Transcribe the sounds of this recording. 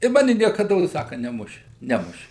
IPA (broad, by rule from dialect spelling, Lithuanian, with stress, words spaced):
ɪ ˈmɑːnʲɪ nʲiɛkɐˈdoːs ˈsɑːkɐ nʲɛˈmʊʃʲɪ ˈnʲæːmʊʃʲɪ